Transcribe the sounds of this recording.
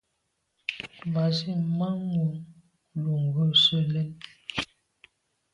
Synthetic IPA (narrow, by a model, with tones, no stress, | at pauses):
ba˨zi˦˨ma˦ŋu˨ŋ | lu˨ŋ˨ɡə˦˨sə˦˨lɛ˦n